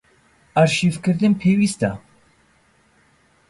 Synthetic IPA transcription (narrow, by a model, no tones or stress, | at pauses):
aɾʃivkʰɨɾd̪ɨnpʰeːwist̪a